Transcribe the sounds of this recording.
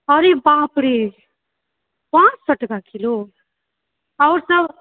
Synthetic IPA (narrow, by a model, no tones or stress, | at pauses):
ʌɾebãpɾi | pãt͡ssʌʈɡakʰilo | ʌwɾsʌb